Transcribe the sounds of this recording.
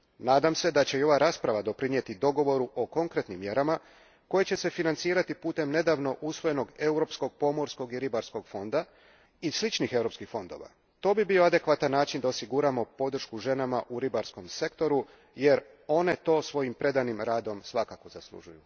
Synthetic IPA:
naːd̪amse̞d̪at͡ɕe̞io̞ʋaɾaːspɾaʋad̪o̞pɾinje̞t̪id̪o̞ɡo̞ʋo̞ɾuʔo̞ko̞ŋkɾe̞t̪nimːje̞ɾama | ko̞je̞t͡ɕe̞se̞finant̪siːɾat̪ipuːt̪e̞mne̞d̪aʋno̞ʔusʋo̞je̞no̞ɡe̞uɾo̞psko̞ɡ̚po̞mo̞ɾsko̞ɡiɾibaɾsko̞ɡ̥fo̞nd̪a | islˠit͡ʃnixe̞wɾo̞pskixfo̞nd̪o̞̰ʋa̰ | t̪o̞ːbibio̞ad̪e̞kʋat̪anːaːt͡ʃind̪aosiɡuːɾamo̞po̞d̪r̩ʃkuʒe̞namaʔuɾibaɾsko̞mse̞kt̪o̞ɾu | je̞ɾ | o̞ne̞t̪o̞ːsʋo̞jimpɾe̞d̪animɾaːd̪o̞msʋakako̞zaslˠṵʒuju

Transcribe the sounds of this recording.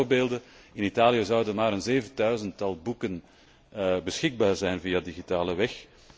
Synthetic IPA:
rbeːlˠdəɪnitaːlijəzɑwdənmaːɾənzeːvəndœɥzəntɑlˠbukən | bəsxɪɡ̚baːrzɛjnvijadiɣitaːləʋɛx

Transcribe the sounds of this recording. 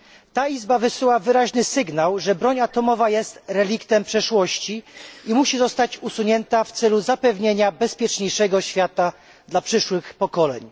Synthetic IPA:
t̪aizbavɘsɘwavɘɾaʑnɘsɘɡnawʐɛbɾɔɲat̪ɔmɔvajɛst̪ɾɛlʲikt̪ɛmpʂɛʂwɔɕt͡ɕiimuɕizɔst̪at͡ɕusuɲɛnt̪aft̪sɛluzapɛvɲeɲabɛspʲjɛt͡ʂɲejʂɛɡɔɕfʲjat̪a | d̪lapʂɘʂwɘxpɔkɔlɛ̰ɲ

